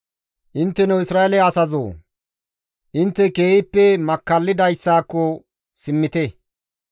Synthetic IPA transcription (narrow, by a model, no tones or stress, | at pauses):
ʔɪnt̪ːɛnɛwɪsɾaːelɛɐsɐzo̰ː | ʔɪnt̪ːɛkeːhɪpːɛmɐkːɐlːɪd̪ɐjsːaːkːɔ | sɪmːɪt̪ɛ